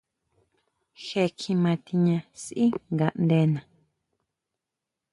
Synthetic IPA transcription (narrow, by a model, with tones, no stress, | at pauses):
ʃe˧kʰĩ˧mã˧t̪i˧ɲã˧sʔi˦ŋɡa˧ʔnd̪e˧˦nã˨